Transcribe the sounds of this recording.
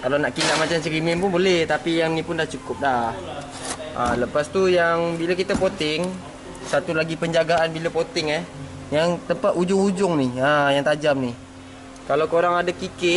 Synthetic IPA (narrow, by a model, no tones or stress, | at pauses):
kalanaʔkilaʔmat͡ʃamsəɾimɪnpʊnbolɛht̪apijaŋnipʊndaht͡ʃukʊp̚lah | ʔa̰ləpast̪ujaŋbilakit̪apot̪ɪŋ | sat̪ulaɡipəɲd͡ʒaɡaanbiləpot̪ɪŋɛh | jaŋt̪əmpat̪ud͡ʒʊŋud͡ʒʊŋniajaŋt̪ad͡ʒamni | kalawkoɾaŋadakikɪt̪